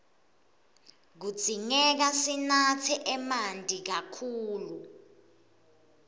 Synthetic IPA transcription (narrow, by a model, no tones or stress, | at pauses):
k̬u̥z̥ʱiŋɛk̬asinatʰiʔɛmandʱʼik̬akʰuːlu